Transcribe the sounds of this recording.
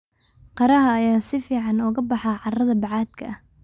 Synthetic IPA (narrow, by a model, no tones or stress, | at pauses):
qɑɾɐɦɐːjaːsɪfiːʕɑnɔːɣɐbɑħɑʕɑrɐðɐbɑʕɑːd̪kʰɐ̰ʔɐh